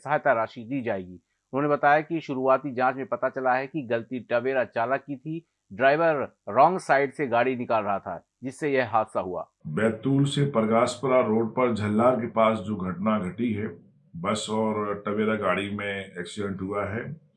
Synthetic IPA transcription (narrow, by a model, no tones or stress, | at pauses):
sɐɦaːjt̪aɾaːʃid̪iːd͡ʒaːeːɡiː | ʊnɦõːnebɐt̪aːjakiʃʊɾuaːt̪id͡ʒãːt͡ʃmẽpɐt̪at͡ʃɐlaɦɛkiɡɐlt̪iʈɐbeːɾat͡ʃaːləkːit̪ʰi | ɖɾaːɪʋəɾː | ɔ̃ːŋɡsaːɪɖseɡaːɽinɪkaːlɾɐɦat̪ʰa̰ | d͡ʒɪsːejɛɦɦaːd̪saɦua̰ːbɛːt̪uːlsepɐɾɡaːspəɾaɾoːɖpɐɾd͡ʒʱɐlːaːɾkepaːsd͡ʒoːɡʱɐʈnaɡʱɐʈiɦɛː | bɐsɔːɾʈɐbeːɾaɡaːɽimẽɛːksɪɖɛ̃ɳʈɦuaɦɛː